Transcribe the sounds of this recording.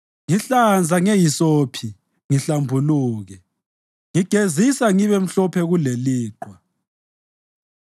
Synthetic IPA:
ŋiɬand͡zʱaŋejisoːpʰi | ŋiɬambʱuluːɣɛ | ŋiɡ̥ʱezisaŋiβɛm̩ɬɔpʰɛɣuleliːǃwa

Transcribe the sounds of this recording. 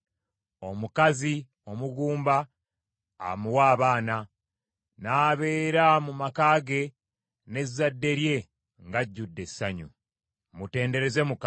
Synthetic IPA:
o̞mukazi | o̞muɡuːmba̰ː | muwaːβaːna | naːβe̞ːɾamumakaːɡe̞ | ne̞zadːe̞ɾje̞ | ŋɡaɟːudːe̞saɲṵ | mute̞ːnde̞ɾe̞zemuka

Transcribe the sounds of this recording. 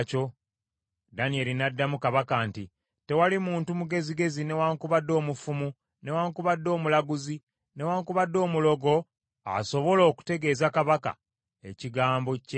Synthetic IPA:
co̞ | danije̞linadːamukaβakanti | te̞walimuːntumuɡe̞ziɡe̞zine̞waŋkuβadːo̞ːmufumu | ne̞waːŋkuβadːo̞ːmulaɡuzi | ne̞waːŋkuβadːo̞ːmulo̞ɡo̞ | a̰so̞βo̞lo̞ːku̥te̞ɡe̞ːzakaβaka̰ | e̞ciɡaːmbo̞ce

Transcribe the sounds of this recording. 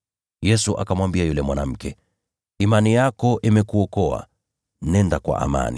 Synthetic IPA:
jɛsuʔakamwambiajulɛmwanam̩kɛ | imanijakɔʔimɛkuɔkɔa̰ | nɛndakwa̰ʔa̰ma̰ni

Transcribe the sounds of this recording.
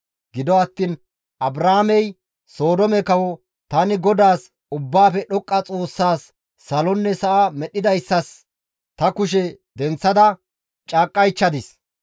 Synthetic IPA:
ɡɪd̪ɔɐt̪ːiːn | ʔɐbɾaːmɛj | so̞ːd̪ɔmɛkɐwɔ | t̪ɐnɪɡɔd̪aːs | ʊbːaːfɛɗɔkʼːɐt͡sʼo̞ːsːaːsː | ɐlɔnːɛsɐʔamɛɗːɪd̪ɐjsːɐs | t̪ɐkʊʃ̬ɛd̪ɛnt͡sːɐd̪ɐ | t͡ʃʼaːkʼːɐjt͡ʃːɐd̪ɪs

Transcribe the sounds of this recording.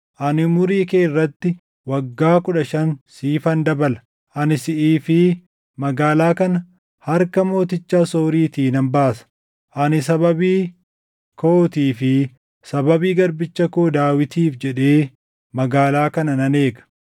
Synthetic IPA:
ʔɐnɪmʊɾiːkeːrːɐt̪ːɪ | wɐɡːaːkʊᶑɐʃɐnsiːfɐnd̪ɐbɐlɐ̥ | ʔɐnɪsɪʔiːfɪ | mɐɡaːlaːkɐnɐ | hɐɾkɐmo̞ːt̪ɪt͡ʃːaːso̞ːɾiːt̪iːnɐmbaːsɐ̥ | ʔɐnɪs̬ɐβɐbiː | kʰoːt̪iːfɪ | sɐbɐbiːɡɐɾbɪt͡ʃːɐkoːd̪aːwɪt̪iːfd͡ʒɛᶑe̞ː | mɐɡaːlaːkɐnɐnɐne̞ːɡɐ̥

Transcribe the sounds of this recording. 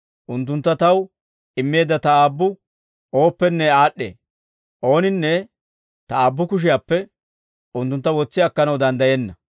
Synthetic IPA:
ʔʊnt̪ːʊnt̪ːɐt̪ɐw | ɪmːe̞ːd̪ːɐt̪ɐaːbːʊ | o̞ːpːɛnːɛaːɗːḛː | ʔo̞ːnɪnːɛ | t̪ɐaːbːʊkʊʃ̬ɪjaːpːɛ | ʊnt̪ːʊnt̪ːɐwɔt͡sːɪɐkːɐnɐwd̪ɐnd̪ɐjenːɐ

